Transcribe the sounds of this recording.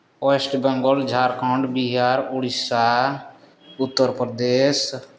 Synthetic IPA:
oesʈbəŋɡold͡ʒʱaːɾkʰɔ̃ɳɖbiɦaɾʊɽisa | ʊt̪ːəɾpɾd̪es

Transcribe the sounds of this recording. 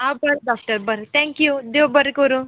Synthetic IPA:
ɦãbəɾɖɔk̚ʈəɾbəɾt̪ʰɛ̃ŋkjud̪ewbəɾkəɾũː

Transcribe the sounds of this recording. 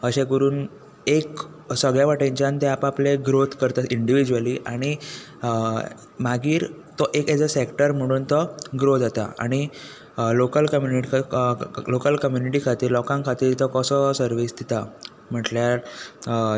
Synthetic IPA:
əɕẽkəɾuːn | ek | səɡɭjaʋaʈẽɲt͡ɕant̪eapapleɡɾot̪kəɾt̪aiɳɖiʋid͡ʑuəliːʔaɽ̃i | maɡiːɾt̪oʔeked͡zəsekʈəɾm̤əɽ̃uːnt̪əɡɾod͡zat̪a̰a̰ɽ̃i | lokəlkəmjuniʈi | lokəlkəmjuniʈikʰat̪iːɾlɔkãŋkʰat̪iːɾt̪əkəsəsəɾʋisd̪it̪a | m̤əʈljaɾ

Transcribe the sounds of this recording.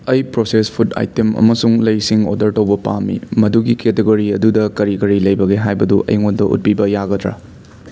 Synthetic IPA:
ɐjpɾosespʰuta̰jtemɐ̰mɐsuŋlɐjsiŋo̰dɐɾtɐwbɐpa̰mḭmɐduɡiketeɡoɾiɐdudɐkɐɾikɐɾilɐjbɐɡeɦajbɐduʔɐ̰jŋondɐʔṵt̚pibɐjaɡɐtɾa̰

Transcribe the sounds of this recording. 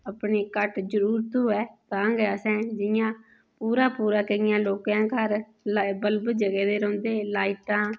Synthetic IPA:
əpɳeːkəʈd͡ʒəɾuːɾt̪uːɛːt̪ãːɡɛəsɛ̃ːd͡ʒɪjãː | puːɾaːpuːɾaːkəɪjãːloːkãːkəɾ | bəlbəd͡ʒəɡɛːd̪eːɾɔ̃ːnd̪eːlaːiʈãː

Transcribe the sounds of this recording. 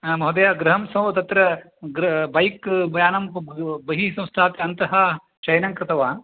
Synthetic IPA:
mɐɦɐd̪ɐjaːɡɾɐɦɐmsɐ̃wʋɐt̪ɐt̪ɾɐ | ɡɾɐbɐjkbɐjaːnɐmbɐɦisɐ̃w̃st̪ʰaːt̪jɐnt̪ɐɦɐ | t͡ʃɐjnɐŋkɾɪt̪ɐʋaːn

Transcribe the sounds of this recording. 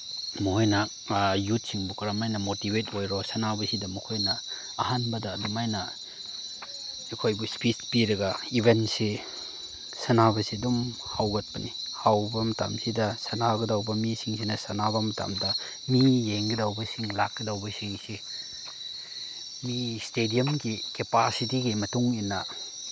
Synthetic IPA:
mukʰojna | jut̚siŋbukʰɾamajnɐmotibetojɾosɐnabɐsidɐmukʰojnɐ̰ː | hanbɐdɐːdumajnɐ | ekʰojbuspispiɾɐɡɐibentsi | sɐnabɐsiɐdum | hawɡɐt̚pɐnihawbɐmɐta̰msidɐsɐnaɡɐdawbɐmisiŋsinɐsɐnabɐmɐta̰mdɐ | mijeŋɡidawbɐsiŋlakːidawbɐsiŋsi | mistedijɐmɡikepasitiɡimɐtuŋinːɐ

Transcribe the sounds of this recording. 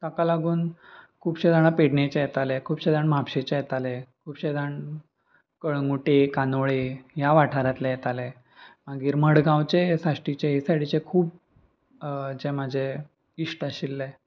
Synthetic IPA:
t̪akalaɡuːnkʰuːpɕẽd̪aɽ̃apeɽɳet͡ɕejɛt̪alekʰuːbɕed̪aɳmapɕet͡ɕejɛt̪alekʰuːbɕed̪aɳ | kəɭŋɡuʈekanoɭejaʋaʈʰaɾat̪lejɛt̪ale | maɡiːɾməɽɡãwt͡ɕesaʂʈit͡ɕeɦisaɽit͡ɕekʰuːb̚ | d͡ʑeməd͡ʑʱe | iʂʈaɕilːe

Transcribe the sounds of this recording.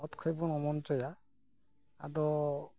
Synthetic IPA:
ɔt̪kʰɔjbɔnɔmɔntɔja | a̰dɔ

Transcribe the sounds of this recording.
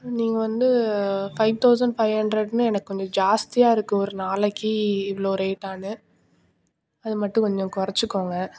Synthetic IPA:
niːŋɡɐʋɐnd̪ɯfɐɪʋt̪ɐʊsɐɳɖfɐɪhɐɳɖɾɐɖnɯɛnɐkːɯkɔɲd͡ʒɔ̃d͡ʒaːst̪ɪjaːɪɾɯkːɯ̃ɔɾɯnaːlɐkːiɪʋɐɭoːɾeːʈːaːnɯ | ɐðɯmɐʈːɯ̃kɔɲd͡ʒɔ̃kʊɾɐt͡ʃːɯkːoːŋɡɐ

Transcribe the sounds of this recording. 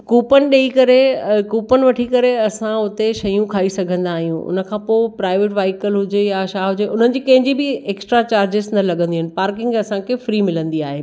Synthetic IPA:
kuːpənɪ̆ɗeikɐɾekuːpənɪʋɐʈʰikɐɾeɐsãʊt̪eʃɐjũkʰaːisɐɡʱə̃nd̪aːɦijũʊ̰nə̆kʰãːpoːɪpɾaːɪʋeːʈʋaːɪkəlɦʊd͡ʑejaʃaːɦʊd͡ʑeʔʊn̤ənɪ̆d͡ʑiːkɐ̃ɦɪ̃ɲd͡ʑibɪeːksʈɾat͡ɕaːɾd͡ʑɪsnɐlɐɠə̃nd̪iɦɪnɪ̆paːɾkɪ̃ŋɡɐsãkʰefɾiːmɪlə̃nd̪iaːɦeː

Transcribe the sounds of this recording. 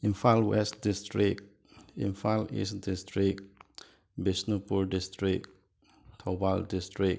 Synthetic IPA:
ĩnfalwɛstdistɹik̚ | ḭ̃nfalḭsdistɹik̚ | bisnupuɹdistɹik̚ | tʰɔbaldistɹik̚

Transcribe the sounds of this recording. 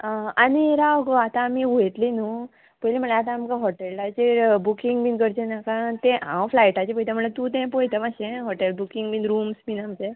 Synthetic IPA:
aniɾaʋɡoat̪aːmiuet̪linu | pəjlim̤əɳlaat̪̬ãːmkaɦɔʈelat͡ɕebukiŋɡminkəɾt͡ɕenakat̪ẽɦãwflajʈat͡ɕepɔjt̪ʰam̤əɳlat̪ũt̪ɛ̃pɔjt̪ʰamaɕẽɦɔʈelbukiŋɡminɾuːmsminamt͡ɕẽ

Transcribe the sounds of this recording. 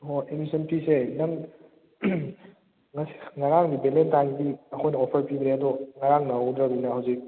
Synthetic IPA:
ɦoemisɐnpisenɐŋ | ŋɐsi̥ŋaɾaŋɡibelentaŋɡiɐkʰojnɐɔpʰɐɾpibɾeɐdɔŋaɾaŋnɐwdɾɐbinɐhɐwzik̚

